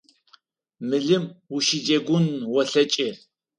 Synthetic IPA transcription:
mɨɮɨmwuʃid͡ʒɐɡʷʊnwɔɬɐt͡ʃʼɪ

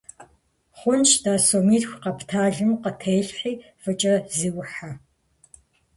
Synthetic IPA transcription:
χʷʊnt͡ʃdaːsomiːtxʷqɐptʰaːɮɨmqətʰejɬħiː | fɨt͡ʃʼɐziːwʊħa

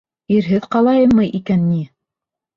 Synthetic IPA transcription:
iɾɦɘðqɑlˠɑjɤmmːɤjʔikænːi

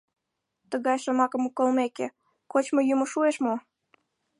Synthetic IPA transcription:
t̪əɣɑjʃəmɑkə̆mokolˠmekḛ | kot͡ɕmojymoʃueʃmo

